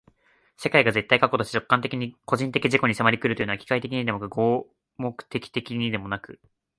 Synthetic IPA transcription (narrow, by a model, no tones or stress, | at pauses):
se̞kaiɡaze̞t̪ːaikako̞t̪ot͡ɕe̥i̥t͡ɕo̞kːãnt̪̬e̞kʲiɲ̟iko̞ʑĩnt̪e̞kʲiʑiko̞ɲ̟isemaɾʲikɯɾɯoɯ̟oakʲi̥kait̪e̞k̬ʲiɲ̟id̪e̞mokɯ̟ɡoː | mo̞kɯ̟̥t̪e̞kʲi̥t̪e̞kʲiɲ̟id̪e̞mo̞nakɯ̟̰